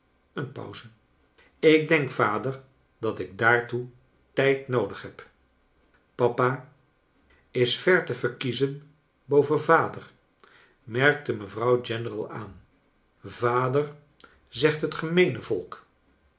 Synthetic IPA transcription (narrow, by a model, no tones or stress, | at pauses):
ənpɑ̰wzən | ɪk̚dɛŋkfaːdəɹ | dɑtɪɡ̚daːɹtu | tɛjtnowdəχɦɛp | pɑpa | ɪsfɛɹtəvəɹkizən | bowvənvaːdər | mɛrk̚təməvrʌwd͡ʒɛnərəlˠa̰ːn | vaːdər | zɛχtɦətχəmejnəvɔlˠk